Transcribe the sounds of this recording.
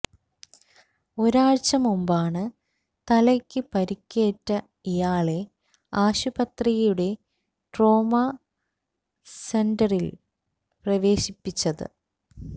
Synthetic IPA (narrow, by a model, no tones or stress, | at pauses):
o̞ɾaːɻt͡ɕːɐmumbaːɳɨ | t̪ɐlɐkʲːɨpɐɾikʲːe̞ːʈːɐ | ijaːɭe̞ | aːɕubɐt̪rijjuɽe̞ | ʈro̞ːmɐ | sendɐril | prɐʋe̞ːɕipːit͡ɕːɐðɨ̰